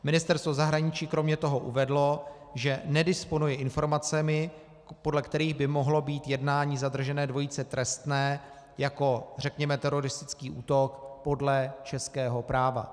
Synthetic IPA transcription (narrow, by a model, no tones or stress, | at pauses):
mɪnɪst̪ɛɾst̪vo̞zaɦɾaɲɪt͡ʃiːkɾo̞mɲɛt̪o̞ɦo̞ʔṵvɛdlo̞ | ʒɛnɛdɪspo̞nujɛʔɪnfo̞ɾmat͡sɛmɪ | po̞dlɛkt̪ɛɾiːɣbɪmo̞ɦlo̞biːt̪jɛdnaːɲiːzad̪r̩ʒɛnɛːdvo̞jit͡sɛt̪ɾɛst̪nɛː | jako̞r̝ɛkɲɛmɛt̪ɛɾo̞ɾɪst̪ɪ̥t͡skiːʔuːt̪o̞kpo̞dlɛt͡ʃɛskɛːɦo̞pɾaːva̰